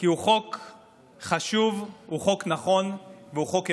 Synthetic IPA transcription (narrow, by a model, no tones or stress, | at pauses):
kiuχo̞k | χaʃuvhuχo̞knaχo̞nveuχo̞k